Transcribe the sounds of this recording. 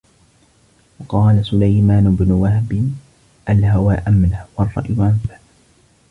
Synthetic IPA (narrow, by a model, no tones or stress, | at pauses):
wɑqɑːlasʊlajmaːnʊbnʊwahbɪ | ʔalhawaːʔamlahwɑrˤːɑ̰ʔjʊʔanfaʔ